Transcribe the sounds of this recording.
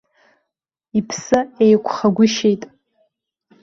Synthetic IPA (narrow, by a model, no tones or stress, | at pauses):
ipʰsɨejkʷʰχaɡʷʊʃejtʼ